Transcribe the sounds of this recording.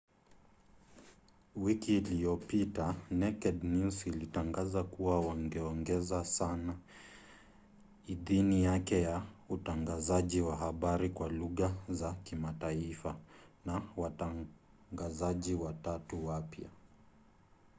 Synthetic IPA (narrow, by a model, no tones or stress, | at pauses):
wikiːliɔpitanɛkɛdnusilitaŋɡazakuwawaŋɡɛɔŋɡɛzasana | iðinijakɛjautaŋɡazaʄiwaɦaɓaɾikwaluɣazakimataifanawata | ŋɡazaʄiwatatuwapja̰